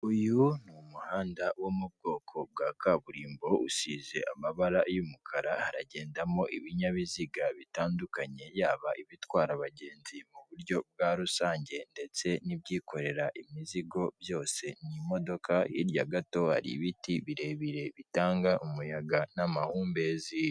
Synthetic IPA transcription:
ujunumuhaːndawomub̚ɡo̞ːkʰo̞b̚ɡakaβuɾiːmbo̞usize̞̰ʔamaβaɾajumukʰaɾahaɾa̰ɟe̞ːndamo̞ʔiβiɲaβiziɡaβitaːndukaɲe̞jaːβaʔiβitwaːɾaβaɟe̞ːnzimuβuɾɟo̞b̚ɡaːɾusaːɲɟe̞nde̞t͡se̞nibɟiːko̞ɾe̞ɾaʔimiziɡo̞βjo̞ːse̞nimo̞do̞kʰahḭɾjaɡato̞ha̰ɾḭβitiβiɾe̞βiɾe̞βitaːŋɡaʔumujaɡanamahuːmbezij

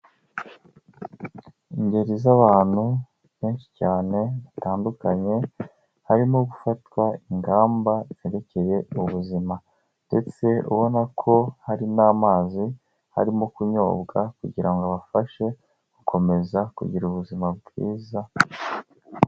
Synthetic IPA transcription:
iɲɟe̞ɾizaβaːn̥hu | ke̞ːnʃi̥caːne̞βataːndukaɲe̞ | haɾimo̞ɡufatwaiŋɡaːmbaz̥eɾe̞ce̞je̞ʔuβuzima | nde̞t͡se̞ṵβo̞nakʰo̞haɾinaːmaːzi | ha̰ɾimokuɲo̞̰ːbɡakṵɟiɾaŋɡoβafaʃe̞ | ɡ̥ukʰo̞me̞zakṵɟiɾuβuzimab̚ɡḭːza

